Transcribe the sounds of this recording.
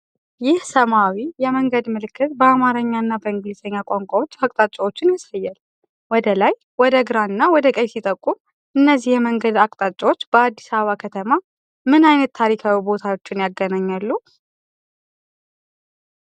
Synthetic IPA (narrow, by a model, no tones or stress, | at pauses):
jɪhsəmawijɛməŋɡəd̪mɨlɨkːɨt̪bəamaɾəɲːaɨnːabəɨŋɡlisəɲːakʷʼaŋkʷʼawo̞t͡ʃːakʼt̪ʼat͡ʃʼːawo̞t͡ʃːɪnjasajːal | wɔd̪əlaj | wɔd̪əɡɾaɨnːawɔd̪əkʼəjsit̪ʼəkʼːum | ɨnːəzːihjɛməŋɡəd̪akʼt̪ʼat͡ʃʼːawot͡ʃːb̥əad̪ːi̥saβəβakʰət̪ʰəma | mɨnajnət̪ʰːaɾikʰawibo̞t̪ʰawot͡ʃːɪnjaɡːənaɲːalːu